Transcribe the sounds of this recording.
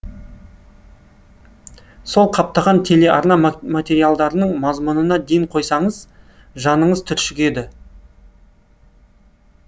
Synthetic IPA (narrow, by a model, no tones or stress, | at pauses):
so̞lˠqʰɑp̚t̪ɑʁɑnt̪ʰe̞le̞ʔɑ̰ɾnɑmat̪ʲe̞ɾijalˠd̪ɑɾənəɴmɑzmʊnənɑd̪ejɪɴqʰo̞jsɑɴəz | ʒɑnəɴəzt̪ʰʏɾʃɪɡʲe̞d̪ɪ